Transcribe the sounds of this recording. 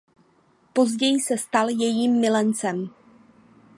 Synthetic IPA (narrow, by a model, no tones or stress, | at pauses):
po̞zɟɛjɪsɛst̪aljɛjiːmːɪlɛnt͡sɛm